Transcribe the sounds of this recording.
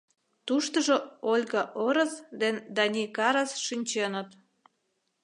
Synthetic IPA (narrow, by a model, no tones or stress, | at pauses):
t̪uʃt̪əʒŏolʲɣɑʔoɾəsd̪end̪ɑnʲikɑɾɑsʃynʲt͡ɕenə̆t̪